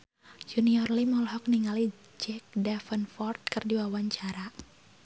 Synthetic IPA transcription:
d͡ʒuniɔrlimɔlɦɔk̚niŋali | d͡ʒɛk̚dɛfənfɔrt̪̚kɨrdiwawaɲt͡ʃaɾa

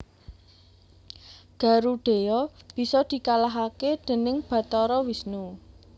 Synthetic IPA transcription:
ɡ̥a̤ɾuɖ̥e̤jɔb̥i̤sɔd̪̥i̤kalaɦaked̪̥e̤nɪŋb̥ä̤t̪ɔɾɔwisnu

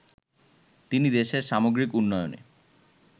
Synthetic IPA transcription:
t̪inid̪eʃeɾʃamoɡɾikunːɔjo̰nḛ

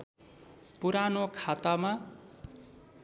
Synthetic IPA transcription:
puɾanokʰat̪ama

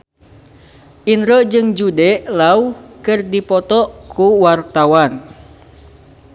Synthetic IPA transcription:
ʔinɾod͡ʒɨŋd͡ʒudɛʔlaukɨrdipɔt̪ɔkuwart̪awan

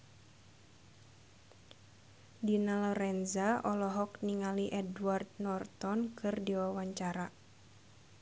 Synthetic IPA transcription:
dinalɔɾɛnzaʔɔlɔɦɔkniŋaliʔɛduward̪̚nɔrt̪ɔnkɨrdiwawaɲt͡ʃaɾa

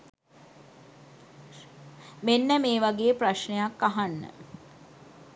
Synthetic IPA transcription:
menːəmeːʋaɡeːpraʃɳejakːaɦanːə̰

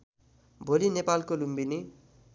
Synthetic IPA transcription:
bʱolinepalkolumbini

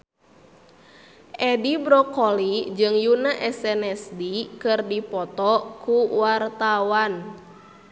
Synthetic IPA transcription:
ʔɛdibɾɔkɔlid͡ʒɨŋjunaʔɛsɛnɛsdikɨrdipɔt̪ɔkuwart̪awan

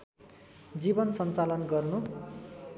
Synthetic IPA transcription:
d͡zibʌnsʌnt͡salʌnɡʌrnu

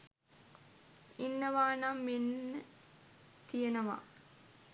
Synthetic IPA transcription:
inːəʋaːnamːenːə | t̪ijenəʋa̰

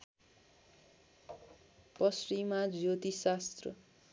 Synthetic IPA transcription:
pʌsrimad͡zot̪isast̪rʌ̰

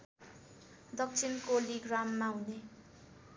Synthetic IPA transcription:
d̪ʌk̚t͡sʰinkoliɡramːaɦune

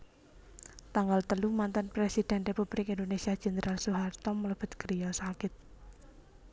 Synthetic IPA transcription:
t̪aŋɡalt̪əlumant̪ənpɾesid̪̥ɛ̤nrepub̥ɾɪkind̪onesiḁd͡ʒ̥ɛ̤nəɾʔalsuɦart̪ɔmːələb̥ə̤t̪kəɾijɔsakɪt̪̚

